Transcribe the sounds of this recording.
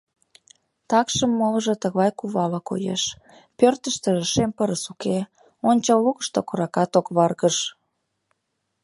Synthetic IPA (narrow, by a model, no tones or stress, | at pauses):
t̪ɑkʃəmːoləʒɤt̪əɣɑjkuβɑləko̰jḛʃ | pørt̪əʃt̪eʒəʃempəɾəsuke | onʲt͡ɕɑlukə̥ʃt̪okoɾɑkɑt̪okβɑrɣəʃ